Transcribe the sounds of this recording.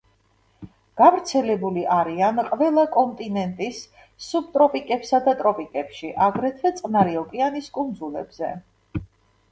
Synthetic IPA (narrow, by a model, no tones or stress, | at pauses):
ɡ̥avɾt̪sʰɛlɛbuliʔaɾianqʼvɛlˠakʼɔnt̪ʼinɛnt̪ʼisː | ub̚t̪ʼɾɔpʼikʼɛpsad̪at̪ʼɾɔpʼikʼɛpʃiʔaɡɾɛt̪ʰvɛt̪sʼqʼnaɾiɔkʼianiskʼund̪zulɛ̰bz̥ɛ